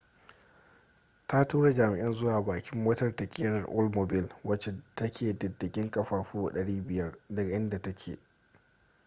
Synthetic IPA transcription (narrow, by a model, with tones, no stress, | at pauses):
tʰa˦tuː˦ɽa˨d͡ʒaː˨mɪ˨ʔɪ˦nzʊ˦waː˨baː˨kʲɪ˦mːoː˦tɐ˨rtɐ˨kʲʼɪː˦ɽɐ˨rʔʊ˦lmo˨bɪ˦lwɐ˦t͡ʃe˨tɐ˦kʲʰeː˨dɐ˨dːɪ˨kʲɪ˦ŋkʼɐ˨ɸaː˨ɸuː˦˨ɗɐ˨ɽiː˦bɪ˨jɐ˦rdɐ˨ɡʔɪ˦nda˨tɐ˦kʲʰḛː˨